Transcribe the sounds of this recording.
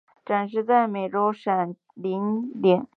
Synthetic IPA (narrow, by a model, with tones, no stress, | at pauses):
ʈ͡ʂa˨˩nʂɻ̩˥˧t͡sa˥˩ɪme˨˩ɪʈ͡ʂo˧˥ʊʂa˨˩n | li˧˥nljɛ˨˩˦n